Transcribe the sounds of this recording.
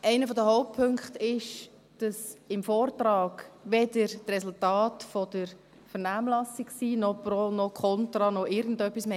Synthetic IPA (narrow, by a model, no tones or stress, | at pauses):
ʔæɪnəfɔdəɦoʊp̚pʰøŋkχtɪʃ | d̥ɑsɪmfɔːɾt̪ɾɑːɡ̥ʋɛdəɾtrɛsultɑːtfɔdəɾ | fəɾnaːmlɑsiksiːnɔpɾɔnɔkʰɔntɾɑnɔʔɪɾɡən̩dœpːisme